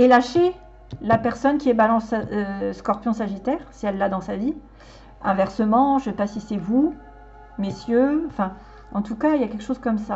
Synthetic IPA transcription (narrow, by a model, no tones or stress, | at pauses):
elaʃe | lapɛʁsɔnkʲiɛbalɑ̃søskɔʁpjɔ̃saʒit̪ɛːʁsɛɛlːad̪ɑ̃savi | ɛ̃vɛʁsəmɑ̃ʒɛpasisɛvu | mesjøɑ̃fɛ̃ | ɑ̃t̪ukailjakʲɛlkəʃozkɔmsa